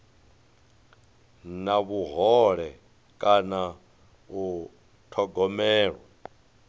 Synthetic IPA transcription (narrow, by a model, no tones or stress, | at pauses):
naβuɦɔɺɛ | kʼana | u | tʰɔɡɔmɛːɺwa